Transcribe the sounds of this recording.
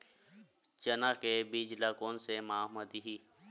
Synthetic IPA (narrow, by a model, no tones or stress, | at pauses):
t͡ʃənaːkebid͡ʒlakoːnsemaːməd̪iɦiː